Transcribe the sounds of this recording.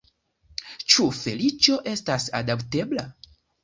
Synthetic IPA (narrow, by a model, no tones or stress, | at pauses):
t͡ʃufe̞lit͡ʃo̞ʔe̞stasa̰dapte̞bla